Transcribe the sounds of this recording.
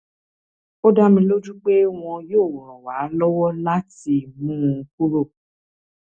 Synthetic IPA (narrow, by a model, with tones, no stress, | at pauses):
o˦da˦mĩ˧lo˦d͡ʒu˦k͡pe˦w̃ɔ̃˧joː˦˨wɔ˨ɾ̃ɔ̃˨wa˨˦lɔ˦wɔ˦la˦ti˧mũ˦˧ku˦ɾo˦˨